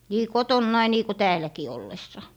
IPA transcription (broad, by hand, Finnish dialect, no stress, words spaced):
niː kotonːɑi niː ko tæːlæki olːesːɑ